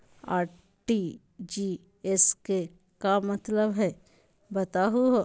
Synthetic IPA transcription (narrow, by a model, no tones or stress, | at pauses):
aːɾ | ʈi | d͡ʒi | eske | kamət̪ləbɦɛ | bət̪aɦuɦo